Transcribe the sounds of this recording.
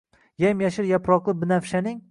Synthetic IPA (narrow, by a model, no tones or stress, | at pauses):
jamjaʃɪɾjapɾɒqlˠɪbɪnafʃanɪŋ